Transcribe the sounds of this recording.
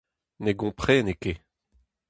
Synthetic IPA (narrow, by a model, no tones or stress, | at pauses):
neɡɔ̃pχeːneke